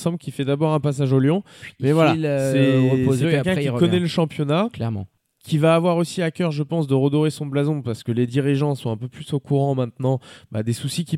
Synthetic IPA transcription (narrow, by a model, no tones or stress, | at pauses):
sɑ̃bləkʲifɛd̪abɔʁɛ̃pas̬aʒoljɔ̃mɛvwalalsɛəozkɛkʲɛ̃kɔnɛləʃɑ̃pjɔnaklɛʁmɑ̰̃ | kʲʰivaːvwaʁosiakʲœʁʒəpɑ̃s̬d̪əʁəd̪ɔʁesɔ̃blazɔ̃paʁsə̥kəled̪iʁiʒɑ̃sɔ̃ɛ̃pøplysokuʁɑ̃mɛ̃t̪nɑ̃bad̪esusikʲi